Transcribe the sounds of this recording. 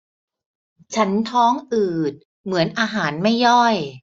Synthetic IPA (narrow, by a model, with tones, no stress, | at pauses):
t͡ɕʰa˦˥nt̪ʰɔː˦˥ŋʔɯː˨˩t̪̚ | mɯ˩˦ənʔaː˧ɦaː˩˦nma˥˩jːɔ˥˩j